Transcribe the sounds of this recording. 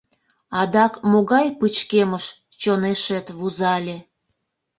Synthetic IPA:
ɑd̪ɑkmoɣɑjpɨt͡ɕkeməʃ | t͡ɕoneʃet̪βuzɑlʲe

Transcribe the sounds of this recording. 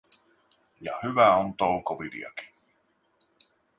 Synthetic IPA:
jɑhyʋæont̪owkoʋid̪ḭɑ̰ki̥n

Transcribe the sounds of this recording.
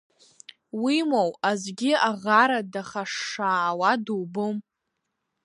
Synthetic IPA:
wimowazɡʲɪaʁaɾadaχaʂːaːwaduwbɨm

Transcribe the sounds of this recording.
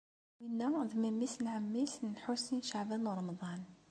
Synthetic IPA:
winːæðmæmːisnʕamːisnħusinʃaʕbænɾˤɑmd̪ˤɑn

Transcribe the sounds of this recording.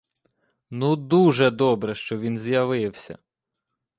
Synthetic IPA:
nud̪uʒɛd̪ɔbɾɛʃt͡ʃɔʋʲinzjɐʋɪwsʲɐ̰

